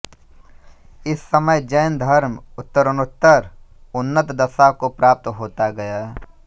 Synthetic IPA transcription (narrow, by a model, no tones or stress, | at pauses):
ɪsːəməjd͡ʒəjnd̪ʱɐɾmʊt̪ːəɾənʊt̪ːəɾ | ʊnːət̪d̪ɐsakopɾaːp̚t̪ɦoːt̪aɡɐja